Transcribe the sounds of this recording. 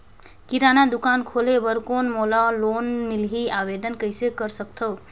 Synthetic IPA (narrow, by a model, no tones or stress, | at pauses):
kiɾanad̪ukankʰolebəɾkonmolalonmilɦiabed̪ənkəjsekəɾsəkt̪ʰəw